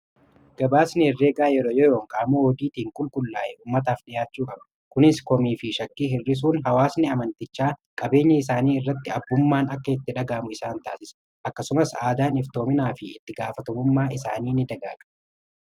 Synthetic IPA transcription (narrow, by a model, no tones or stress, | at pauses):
ɡ̥ɐbaːsnɪɪrːe̞ːɡaːjɛɾoːjɔjoːŋkʼaːmoːɔd̪iːt̪iːŋkʼʊlkʼʊlːa̰ːʔɛuːmːɐt̪̬aːfɗɪjaːt͡ʃːuːkʼɐbɐ̥ | kʊnɪskɔmiːfɪʃɐkːiːhɪrːɪs̬uːnɦɐwaːsnɪɐmɐnt̪ɪt͡ʃːaːkʼɐbe̞ːɲːɐɪs̬aːniːɪrːɐt̪ːɪɐbːʊmːaːnɐkːɐɪt̪ːɪᶑɐɡaːmʊɪsaːnt̪a̰ːsɪs | ʔɐkːɐsʊmɐsaːd̪aːnɪft̪o̞ːmɪnaːfɪɪ̰t̪ːɪɡaːfɐt̪ɔmʊmːaːʔɪsa̰ːniːnːɪd̪ɐɡa̰ːt͡ʃ